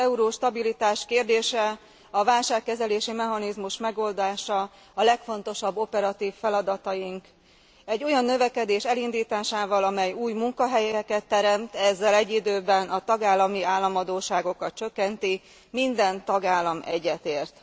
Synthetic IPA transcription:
ɛuɾoːʃt̪ɒbilit̪aːʃkeːrd̪eːʃɛ | ɒvaːlʃaːkːɛzɛleːʃimɛɦɒnizmuʃmɛɡo̞ld̪aːʃɒː | lɛkfo̞nt̪o̞ʃɒbːo̞pɛɾɒt̪iːfːɛlɒd̪ɒt̪ɒjiŋk | ɛɟːo̞jɒnːø̞vɛkɛd̪eːʃɛlind̪iːt̪aːʃaːvɒlɒmɛjuːjmuŋkɒɦɛjɛkɛt̪ːɛɾɛmt̪ɛzːɛlɛɟːid̪øːbɛnɒt̪ɒɡaːlːɒmiaːlːɒmɒd̪oːʃaːɡo̞kɒt̪t͡ʃø̞kːɛnt̪i | mind̪ɛnt̪ɒɡaːlːɒmɛ̰ɟːɛt̪eːrt̪

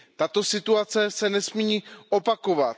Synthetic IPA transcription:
t̪at̪o̞sɪt̪uat͡sɛsɛnɛsmiiʔopako̞vat̪̚

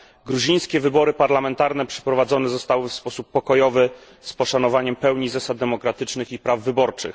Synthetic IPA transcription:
ɡɾuʑij̃skʲɛvɘbɔɾɘpaɾlamɛnt̪aɾnɛpʂɛ̥pɾɔvad̪zɔnɛzɔst̪awɘfspɔsupːɔkɔjɔvɘ | spɔʂanɔvaɲɛmpɛwɲizasad̪̚d̪ɛmɔkɾat̪ɘt͡ʂnɘxipɾavːɘbɔɾt͡ʂɘ̰x

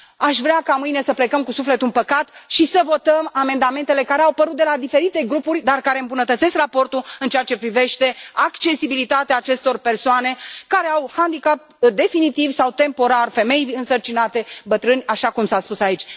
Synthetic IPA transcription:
aʃvɾeakamɨjne̞səple̞kəmkusufle̞t̪unpəkat̪ʃisəvo̞t̪əmame̞nd̪ame̞nt̪e̞le̞kaɾeawpəɾut̪̚d̪elad̪ife̞ɾit̪e̞ɡɾupurʲd̪arkaɾe̞ɨmbunət̪ət̪se̞skrapo̞rt̪ulɨnt͡ʃeat͡ʃe̞pɾive̞ʃt̪e̞akt͡ʃe̞sibilit̪at̪eaːt͡ʃe̞st̪o̞rpe̞rsoane̞kaɾe̞awhand̪ikap̚ | d̪e̞finit̪ivsawt̪e̞mpo̞ɾarfe̞me̞jɨnsərt͡ʃinat̪e̞bət̪ɾɨnʲaʃakumsaspusait͡ʃʲ

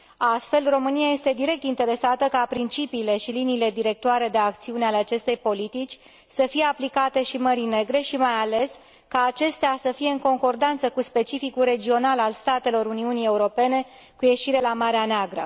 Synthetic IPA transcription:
ast̪fe̞lro̞mɨniaje̞st̪e̞d̪iɾe̞k̚t̪int̪e̞ɾe̞sat̪əkapɾint͡ʃipiːle̞ʃiliniːle̞d̪iɾe̞k̚t̪oaɾe̞d̪e̞ak̚t̪siuneale̞at͡ʃe̞st̪e̞jpo̞lit̪it͡ʃʲ | səfije̞aplikat̪e̞ʃiməɾine̞ɡɾe̞ʃimajale̞s | kaːt͡ʃe̞st̪easəfije̞ɨŋko̞ŋko̞rd̪ant̪səkuspe̞t͡ʃifikulre̞d͡ʒio̞nalalst̪at̪e̞lo̞ɾuniunije̞uɾo̞pe̞ne̞ | kuje̞ʃiɾe̞lamaɾeaneaɡɾə̰

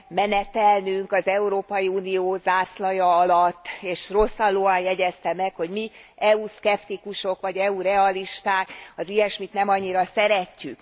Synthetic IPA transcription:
mɛnɛt̪ɛlnyŋkɒzɛuɾoːpɒjiuːnijoːzaːslɒjɒɒlɒt̪ːeːʃro̞sːɒlːoːɒnjɛɟɛst̪ɛmɛkho̞ɟmiɛuskɛpt̪ikuʃo̞kʋɒɟɛuɾɛɒliʃt̪aːkɒzijɛʃmit̪nɛmɒɲːiɾɒsɛɾɛcːyk

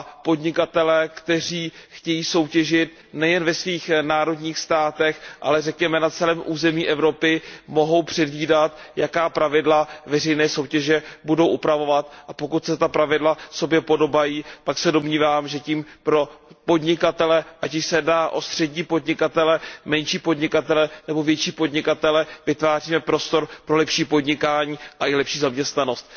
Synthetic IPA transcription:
apo̞dɲɪkat̪ɛlɛːkt̪ɛr̝iːxcɛjiːso̞wcɛʒɪt̪̚ | nɛjɛnvɛsviːxnaːɾo̞dɲiːxst̪aːt̪ɛxʔa̰lɛrɛkɲɛmɛnat͡sɛlɛːmʔuːzɛmiːʔɛvɾo̞pɪmo̞ɦo̞wpr̥ɛdviːdat̪ | jakaːpɾavɪdlavɛr̝ɛjnɛːso̞wcɛʒɛbudo̞wʔupɾavo̞vat̪ʔapo̞kut̪sɛt̪apɾavɪdlaso̞bjɛpo̞do̞bajiːt̪aksɛdo̞mɲiːvaːmʒɛciːmpɾo̞po̞dɲɪkat̪ɛlɛʔacɪʃsɛdnaːʔo̞st̪r̥ɛɟɲiːpo̞dɲɪkat̪ɛlɛmɛnʃiːpo̞dɲɪkat̪ɛlɛnɛbo̞vjɛt͡ʃiːpo̞dɲɪkat̪ɛlɛvɪt̪vaːr̝iːmɛpɾo̞st̪o̞ɾpɾo̞lɛpʃiːpo̞dɲɪkaːɲiːʔaʔɪlɛpʃiːzamɲɛst̪nano̞st̪̚

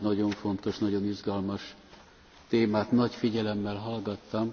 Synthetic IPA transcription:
nɒɟo̞ɱfo̞nt̪o̞ʃnɒɟo̞niʒɡɒlmɒʃ | t̪eːmaːt̪nɒcfiɟɛlɛmːɛlɦɒlɡɒt̪ːɒm

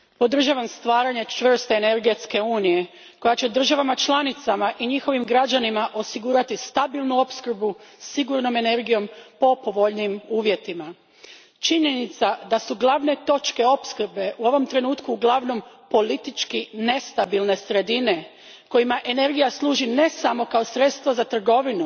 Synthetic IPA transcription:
po̞d̪r̩ʒaʋamst̪ʋaːɾaɲe̞t͡ʃʋr̩st̪eːne̞ɾɡe̞t̪ske̞uːnije̞ | ko̞jat͡ɕe̞d̪r̩ʒaʋamat͡ʃlˠanit̪samaʔiɲixo̞ʋimɡɾad͡ʑanimaʔo̞siɡuːɾat̪ist̪abilˠnuo̞pskr̩busiɡuɾno̞me̞ne̞ɾɡijo̞mpo̞po̞ʋo̞ʎnimuːʋje̞t̪ima | t͡ʃiɲe̞nit̪sad̪asuɡlˠaʋne̞t̪o̞t͡ʃke̞o̞pskɾ̩be̞ʔuo̞ʋo̞mt̪ɾe̞nuːt̪kuːɡlˠaʋno̞mpo̞lit̪it͡ʃkine̞st̪abilˠne̞sɾe̞d̪ine̞ | ko̞jimaʔe̞ne̞ɾɡijaslˠuːʒine̞samo̞kaosɾe̞t̪st̪ʋozat̪r̩ɡo̞ʋinu

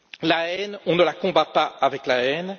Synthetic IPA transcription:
laɛnɔ̃nəlakɔ̃bapaːvɛklaɛn

